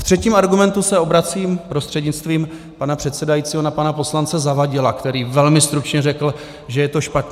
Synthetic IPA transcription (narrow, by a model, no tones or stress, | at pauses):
ft̪r̝̥ɛciːmaɾɡumɛnt̪usɛo̞bɾat͡siːmpɾost̪r̥ɛdɲɪt͡st̪viːm | panapr̥ɛt̪sɛdajiːt͡siːɦonapanapo̞slant͡sɛzavaɟɪlakt̪ɛɾiːvɛlmɪst̪ɾut͡ʃɲɛrɛkl̩ | ʒɛjɛt̪o̞ʃpat̪ɲ